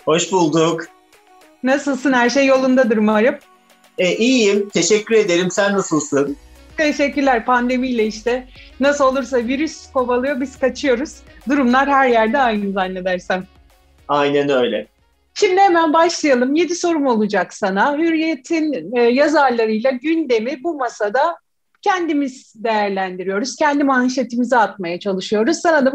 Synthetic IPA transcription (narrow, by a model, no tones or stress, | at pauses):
ho̞ʃbulˠd̪uk | nasɯlˠsɯnhæɾʃejːo̞lˠund̪ad̪ɯɾmaɾɯm | ɛʔijimt̪ʰe̞ʃɛcʲʰːyɾe̞d̪e̞ɾimsænːasɯlˠsɯnt̪ʰe̞ʃɛcːyɾlʲæɾpʰand̪e̞mijlʲɛiʃt̪ɛnasɯlˠo̞lˠuɾs̬aviɾyskʰo̞balˠɯjobiz̥kat͡ʃʰɯjo̞ɾuz̥d̪uɾumlˠaɾhæɾjæɾd̪ɛajnɯnzanlʲed̪æɾsæn | ajnænøjlʲɛ | ʃimd̪ihemænbaʃlˠajalˠɯmje̞d̪iso̞ɾumo̞lˠud͡ʒaksanaɦyɾijet̪ʰinːjazaɾlˠaɾɯjlˠaɟynd̪e̞mibumasad̪a | cʰɛnd̪imiz̥d̪e̞jæɾlʲænd̪iɾijo̞ɾuz̥cʰɛnd̪imanʃ̬et̪ʰimiziat̪̚majat͡ʃʰalˠɯʃɯjo̞ɾuz̥sanad̪a